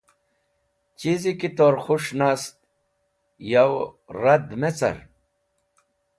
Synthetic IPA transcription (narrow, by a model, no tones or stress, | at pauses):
t͡ɕizikit̪oːɾxuʂnaːst̪̚ | jaw | ɾɐd̪met͡sɐ̰ɾ